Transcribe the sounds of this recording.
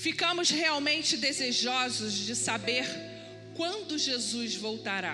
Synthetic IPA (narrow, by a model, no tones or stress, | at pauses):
fikɐ̃mʊzheawmẽnt͡ʃɪd̪ezeʒɔzʊzd͡ʒɪsabeɾ | kwɐ̃nd̪ʊʒezuzvowt̪aɾa̰